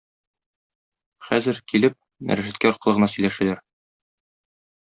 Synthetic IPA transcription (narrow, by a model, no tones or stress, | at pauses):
χæzɘɾkilɘp̚ | mæ̰ɾæʒæt̪̚kæɒɾqɤ̆ɤʁɤ̆nɑsɵ̆jlæʃælæɾ